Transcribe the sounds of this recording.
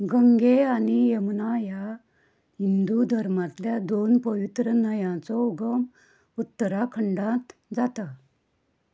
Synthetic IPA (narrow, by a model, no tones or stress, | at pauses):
ɡəŋɡeanijemnaja | ɦind̪ud̪ʱəɾmat̪ljad̪onpəʋit̪ɾənəjãt͡sɔuɡəm | ut̪ːəɾakʰəɳɖãt̪d͡zat̪a